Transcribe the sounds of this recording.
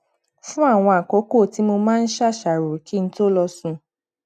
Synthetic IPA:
fũ˦a˦˨w̃ɔ̃˧a˨ko˨˦ko˦˨ti˨˦mo˧mãː˦˧n̩˦ʃa˦˨ʃa˨ɾo˨ki˨˦n̩˦to˦lɔ˧sũ˧

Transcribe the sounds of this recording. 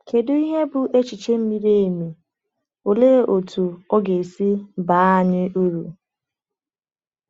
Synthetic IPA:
ke˨dʊ˦i˦ɦe˦bʊ˨ʔe˦t͡ʃi˨t͡ʃe˦m̩˦mi˦ɾe˦e˨me˨ | o˨leː˦ʔo˨tʰu˨ɔ˦ɡe˨si˦ba˨˦a˨ɲɪ˦ʔu˦ɾu˨

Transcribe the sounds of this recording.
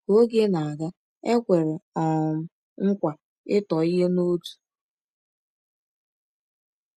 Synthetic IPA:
ko˦ɡe˦na˨a˨ɡa˦ | e˦kʷe˨ɾe˨ɔ˨ | ŋ̩˦kʷa˨ | ɪ˦tɔ˨i˦ɦe˦no˦tu̥˨

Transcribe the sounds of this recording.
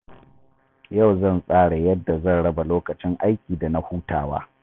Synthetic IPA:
ja˦˨wzɐ˦˨nsʼaː˦ɽa˨jɐ˦dːa˨zɐ˦˨nɽɐ˦ba˨loː˦kɐ˨t͡ʃɪ˦ŋʔa˦jkʲiː˨da˨na˦huː˦taː˨wa̰ː˦

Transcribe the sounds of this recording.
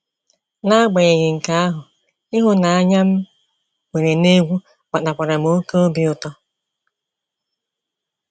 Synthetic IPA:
na˦a˦ɡ͡be˨ɲe˨ɲɪ˨ŋ̩˨ka˦a˦ɦʊ˨ | ɪ˦ɦʊ˦na˨a˦ɲa˦m̩˦ | wʷe˨ɾe˨ne˦ɡʷu˦ | k͡pa˨ɗa˨k͡pa˨ɾa˨m˨o˦ko˦o˦bi˦ʊ˨tɔ˦

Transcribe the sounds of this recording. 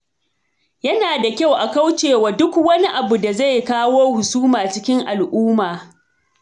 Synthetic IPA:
jɐ˦naː˨da˨kʲa˦˨wʔa˨ka˦wt͡ʃeː˨waː˨dʊ˦kwɐ˦ni˦ʔa˨bu˨da˨za˦˨jkaː˦woː˦hʊ˨suː˦maː˨t͡ʃɪ˦kʲɪ˦ŋʔa˨lʔuː˦maː˨

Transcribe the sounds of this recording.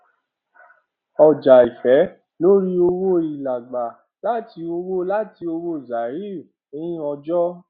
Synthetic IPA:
ɔ˨d͡ʒa˨i˨fɛ˨˦ | lo˦ɾi˦o˧wo˦i˨la˨ɡ͡ba˨ | la˦ti˧˦o˧wo˦la˦ti˧o˧wo˦˨za˨ɾi˦˨ | ẽ˧˦ĩ˦ɔ˧d͡ʒɔ˦

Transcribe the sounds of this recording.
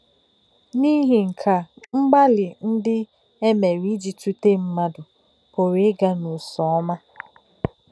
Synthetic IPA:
ni˦ɦi˨ŋ̩˨kʰa˨ŋ͡m̩˦ɡ͡ba˦lɪ˨n̩˦dɪ˦ | e˦me˨ɾi˦d͡ʒi˨tu˦te˦m̩˦ma˦dʊ˨ | kʊ˨ɾi˨˦ɡa˦nʊ˨sɔ˨ɔ˦ma˦

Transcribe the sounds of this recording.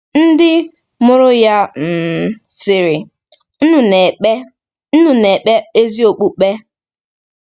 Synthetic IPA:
n̩˦dɪ˦ | mʊ˦ɾʊ˦ja˦m̩˨sɪ˨ɾɪ˨ | n̩˦nu˨ne˨˦ | n̩˦nu˨ne˨k͡pe˦e˦zi˦o˨k͡pu˦k͡pe˦

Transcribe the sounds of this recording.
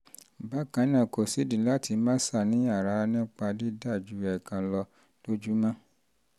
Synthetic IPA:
ba˦˨kã˨˦nã˦˨ko˨si˨˦dĩ˨la˦ti˧mã˦sa˦˨nĩ˨˦a˦˨ɾa˨˦nĩ˦k͡pa˧di˦da˦˨d͡ʒu˨˧˦ɛ˨kã˧lɔ˧ | lo˦d͡ʒu˦mã˦

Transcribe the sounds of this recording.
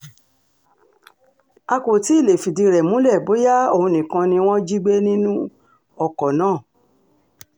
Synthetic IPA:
a˧ko˨ti˨˦i˦˨le˨fi˨di˧ɾɛ˨mũ˨˦lɛ˦˨bo˨˦ja˦o˦˨hũ˧nĩ˨kã˧nĩ˧w̃ɔ̃˦d͡ʒi˦ɡ͡be˦nĩ˦nũ˦ | ɔ˧kɔ˨nãː˦˨

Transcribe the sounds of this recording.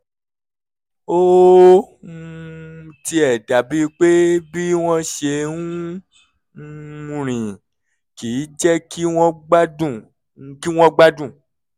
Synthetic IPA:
o˦˨ | ti˧ɛ˨da˨bi˦˧˦k͡pe˦bi˦w̃ɔ̃˧ʃe˧nũ˦˧ | ɾ̃ĩ˨ | ki˨˦d͡ʒɛ˦ki˦wɔ̃˧ɡ͡ba˦dũ˦˨ | ki˦w̃ɔ̃˧ɡ͡ba˦dũ˦˨

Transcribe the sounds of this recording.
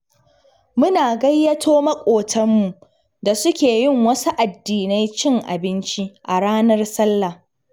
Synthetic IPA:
mʊ˦naː˨ɡɐ˦jːɐ˦tʰoː˦mɐ˦kʷʼoː˨tʰɐ˦mːu˨ʔ | da˨sʊ˦kʲeː˨jɪ˦˨ŋwɐ˦su˦ʔa˨dːiː˨na˦jt͡ʃɪ˦ŋʔa̰˨bɪ˦nt͡ʃi˦ʔa˨ɽaː˦nɐ˦rsɐ˦lːa˨

